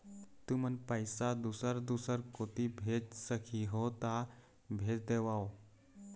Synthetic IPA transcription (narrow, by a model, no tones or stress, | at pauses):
t̪umənpəjsad̪usəɾd̪usəɾkot̪ibʱed͡ʒsəkʰiɦot̪a | bʱed͡ʒd̪eʋao